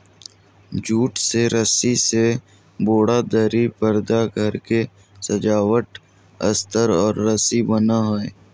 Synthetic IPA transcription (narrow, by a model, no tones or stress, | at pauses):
d͡ʒuːʈseɾəsise | boːɽad̪əɾipəɾd̪aɡʱəɾke | səd͡ʒaːwəʈ | ɐ̰st̪əɾɔːɾːəsibənaɦoe